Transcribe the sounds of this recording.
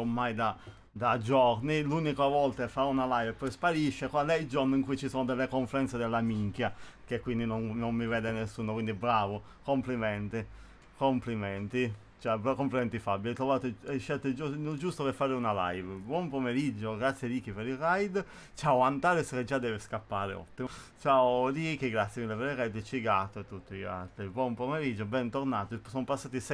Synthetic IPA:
omːajd̪a | d̪ad͡ʒɔɾnilunikaavɔlt̪aefːaunalajvpɔjspaɾiʃːekwand̪ɛild͡ʒornoiŋkujt͡ʃisoːnod̪elːekoɱfɛɾɛnt̪sed̪elːamiŋk̟jakekːwind̪inonnomːivɛːd̪enesːuːnokwind̪ibɾaːvo | komplimɛnt̪i | komplimɛnt̪i | t͡ʃakomplimɛnt̪ifabiajt̪ɾovaːt̪oɛʃːɛlt̪ed͡ʒnod͡ʒust̪opeɾfːaːɾeunala̰jvbwɔmpomeɾid͡ʒːoɡɾat̪sjed̪iːk̟ipeɾirajd̪ | t͡ʃaoant̪aːɾesked͡ʒːad̪ːɛːveskapːaːɾḛɔ̰t̪ːimo | t͡ʃaodikiɡɾat̪sjemilːepeɾirːajd̪t͡ʃiɡat̪ːoet̪ːut̪ːia̰lt̪ɾibwɔmpomeɾid͡ʒːobɛnt̪oɾnaːt̪isɔnopasːaːt̪is

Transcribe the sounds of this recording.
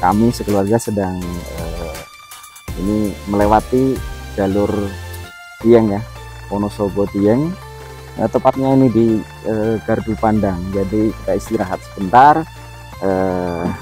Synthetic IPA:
ka̰misəkəluarɡasədaŋə | iniməlewat̪id͡ʒalʊr | d̪iɛŋjahponosobot̪iɛŋ | ə̰t̪əmpat̪̚ɲainidi | əɡarbupandaŋd͡ʒadikaist̪iɾaɦat̪̚sə̥bənt̪ar | ə

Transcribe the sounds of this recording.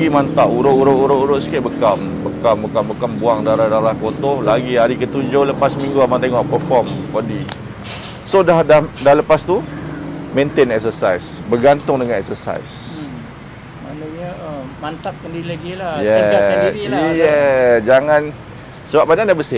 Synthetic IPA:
ɡimãnt̪aʔuɾoʔuɾʊʔuɾoʔuɾʊʔskɪʔ̚bəkam | bəkambəkambəkambuaŋdaɾahdaɾahkot̪ɔhlaɡiɦaɾikət̪uɲd͡ʒoləpasmĩŋɡuamant̪eŋɔʔ̚pərfɔmkɔdi | sodahdahdaləpast̪u | mẽnt̪enɛksəsajsbərɡant̪ʊŋdəŋãnɛk̚səsa̰js | manəɲaəmant̪aʔ̚kəndiɾilaɡilajɛ | iijɛd͡ʒaŋãn | səbap̚banaʔdabəsɪ

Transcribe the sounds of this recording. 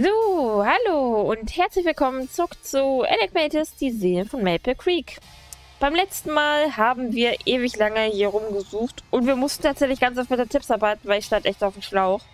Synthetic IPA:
zoːhaloːʊnthɛɐt͡slɪçv̥ɪlkʰɔmənt͡sʊʁʊkt͡suːɛ̰nɛk̚mɛtɪsd̥iːzeːəfɔnmɛlpəkʁ̥iːk | b̥aɪmlɛt͡stn̩maːlhaːbm̩viːɐʔeːvɪçlaŋəhiːɐʁʊmɡəzuːxtʔʊntv̥iːɐmʊstn̩tʰaːtz̥ɛçlɪçɡ̥ant͡saʊfb̥ɛtɐtʰɪpsʔabaɪtn̩vaɪlɪçʃtantʔɛçtaʊfm̩ʃlaʊx

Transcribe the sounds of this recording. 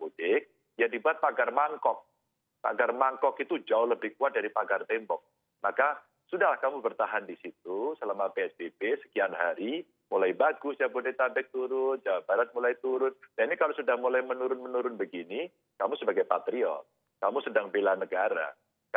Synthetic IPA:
udɪk̚ | jadibuat̪̚paɡarmaŋkɔk̚ | pa̰ɡarmaŋkɔkit̪ud͡ʒaʊhləbɪhkuat̪̚daɾipaɡart̪ɛmbɔk̚ | maka | sudahɦlahkamubərt̪aɦandisit̪̚usəlamapeɛsbebesə̥kianɦaɾi | mulajbaɡʊsjabudet̪abɛk̚t̪uɾʊnd͡ʒawabaɾat̪̚mulajt̪uɾʊnnainikalosudahmulajmənuɾʊnmənuɾʊnbəɡini | kamusəbaɡajpat̪ɾiɔ̰ | kamusədaŋbelanəɡaɾa̰

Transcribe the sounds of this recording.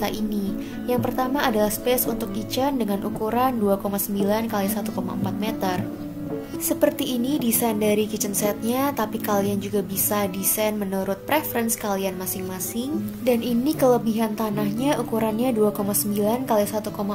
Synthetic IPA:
aʔini | jaŋpərt̪amaːdalahspɛsunt̪ʊk̚kit͡ʃəndəŋanʔṵkuɾanduakomasəmbilankalisat̪ukoma̰əmpat̪̚met̪ər | səpərt̪iʔːnidisajndaɾikit͡ʃənsɛt̪̚ɲat̪apikaliand͡ʒuɡabisadisanmənuɾʊt̪̚pɾefəɾɛnskalianmasɪŋmasɪŋdaninikələbiɦant̪anahɲaʔukuɾanɲaduakomasəmbilankalisat̪ukoma

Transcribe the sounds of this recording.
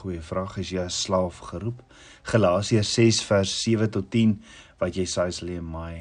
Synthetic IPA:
χujəfrɑːχəsjəəslɑːfχəɾup | χəlɑːsiəsɛsfærsːiəvətɔtːin | vɐtjəsɐjsəliənmɐj

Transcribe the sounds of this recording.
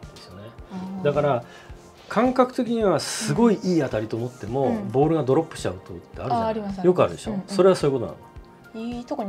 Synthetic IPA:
esɨjo̞ne̞d̪akaɾa | kʰãŋkakɯ̟t̪e̞kʲiɲ̟iβasɨɡo̞iʔiːat̪aɾʲit̪o̞ːmo̞t̪ːe̞mo̞bo̞ːɾɯ̟ɡad̪o̞ɾo̞pːɯ̥ɕi̥t͡ɕa̰ɯ̟t̪o̞it̪ːe̞aɾɯ̃ɾiajo̞kɯ̟aɾɯ̟d̪e̞ɕo̞̰ːso̞ɾe̞β̞asoːi̟ko̞t̪ona̰n | it̪oko

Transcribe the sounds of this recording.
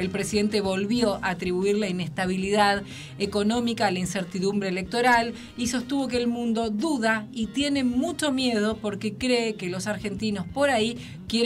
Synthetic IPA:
elpɾe̞siðe̞nt̪eβo̞lβjo̞ʔaːt̪ɾiβuiɾlaine̞st̪aβiliðað̞ | eko̞no̞mikaːlainseɾt̪iðumbɾeːlek̚t̪o̞ɾal | iso̞st̪uβo̞k̬eːlmũnd̪o̞ðuðait̪je̞ne̞mut͡ʃo̞mje̞ð̞o̞po̞ɾke̞kɾeːkelo̞saɾxe̞nt̪ino̞spo̞ɾai | kje

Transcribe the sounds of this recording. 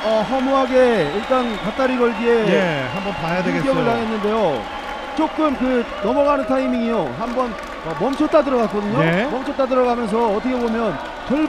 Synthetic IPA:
ʌɦʌmuɦaɡe̞iɭt͈ankat͈aɾiɡʌɭɡie̞ehambʌnpajaeɡekjʌɡɯɭkaŋɦe̞nːɯnde̞jo | t͡ɕ͈ok͈ɯmkɯnʌmʌɡanɯntʰaimiŋijoɦambʌn | ʌmʌmt͡ɕʰʌt͈adɯɾʌɡak͈ʌdɯɲomʌmt͡ɕʰʌt͈adɯɾʌɡamjʌns̬ʰʌːtʰʌkʰe̞bomjʌn | t͡ɕʌɭ

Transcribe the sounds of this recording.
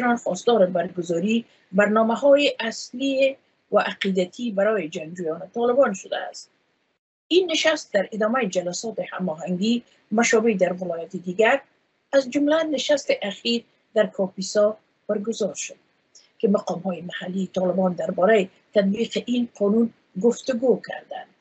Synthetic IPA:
nanxɔst̪ɔɾɪbaɾɡʊzɔɾi | baɾnɔmaɦɔjɪʔasli | waʔaqid̪at̪ʰibaɾɔjɪd͡ʒaŋɡd͡ʒujɔnɪt̪ɔlɪbɔnʃʊd̪a̰ːst̪̚ | inːɪʃast̪̚d̪aɾɪd̪ɒmajɪd͡ʒalasɔt̪ɪha̰mɔɦaŋɡi | maʃɔbed̪aɾvɪlɔjat̪ɪd̪iɡaɾ | azd͡ʒʊmlanɪʃast̪ɪʔaxiɾ | d̪aɾkʰɒpisɒ | b̥aɾɡʊzɔɾʃʊ̥d̪̚ | kɪmaqɒmɦɔjɪmahalːit̪ɔlɪbɔnd̪aɾbɔɾajɪ | t̪ad̪̚biqɪʔinqʰɔnun | ɡʊft̪ʊɡokʰa̰ɾd̪a̰nd̪

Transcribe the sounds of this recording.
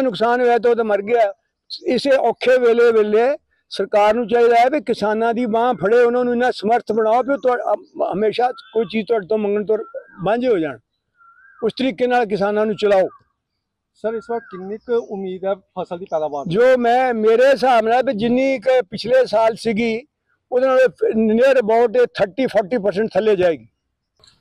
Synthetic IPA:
nʊksaːnɦoːɛːt̪̬oːt̪aːməɾɡɪaː | ɪseːʔɔːkʰːeːʋeːleːʋeːleː | səɾkaːɾnũːt͡ʃaːɦiːd̪aːɛːbikɪsaːnãːd̪iːbãːpʰəɽeːʊnãːnũːɪnãːsəməɾt̪ʰbəɽ̃aːoːpɪɾt̪ʊːəmeːʃaːkoːiːt͡ʃiːzt̪ʊaːɖt̪õːməŋɡəɳt̪oɾbãːɲd͡ʒeːɦoːd͡ʒa̰ːɳ | ʊst̪əɾiːkeːnaːlk̬ɪsaːnãːnũːt͡ʃəlaːoː | səɾɪsʋəkt̪kɪnɪkʊmːiːd̪ɛːpʰəsəld̪iːpɛːd̪aːbaːd͡ʒoːmɛ̃ːmeːɾeːs̬aːmnaːb̪ed͡ʒɪnːĩːɪkpɪt͡ʃʰleːsaːlsɪɡiː | ʊdnaːlːneːɾbɔːʈeːt̪ʰəɾʈiːpʰɔːɾʈiːpəɾsə̃ɳʈ̚t̪ʰəleːd͡ʒaːeːɡiː

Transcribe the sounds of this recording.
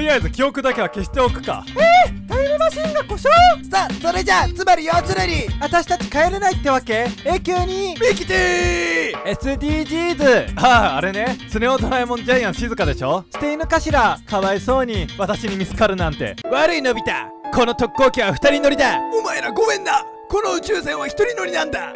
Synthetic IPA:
t̪oɾʲijaizɨkʲio̞kɯ̟d̪ake̞βake̞ɕi̥t̪e̞o̞kɯ̟̥ka̰et̪aeɾʲimaɕĩŋɡako̞ɕosaːso̞ɾe̞d͡ʑat͡sɨmaɾʲijoβat͡sɨɾeɾʲiβat̪aɕi̥t̪at͡ɕi̥kaeɾenait̪ːe̞βake̞eːkʲo̞ːɲ̟imekʲi̥t̪e | e̞sɨd̪ʲiːʑiːzɨaːɾe̞ne̞t͡sɨne̞ot̪onaemonod͡ʑajãɰ̃ɕizɨkad̪e̞̰ɕo̞ɕi̥t̪e̞inɯ̟kaɕiɾakaβaiso̞ːɲ̟iβat̪aɕiɲ̟imʲit͡sɨ̥kaɾɯ̟nãnt̪e̞̰βaɾɯ̟ino̞bʲit̪a̰ | ko̞no̞t̪o̞kːo̞ːkʲiβaɸɯ̟̥t̪aɾʲino̞ɾʲid̪aomaeɾaɡo̞mẽ̞nd̪a | ko̞no̞ɯ̟t͡ɕɨːsẽ̞ɰ̃βaçʲi̥t̪o̞ɾʲino̞ɾʲinãnd̪a

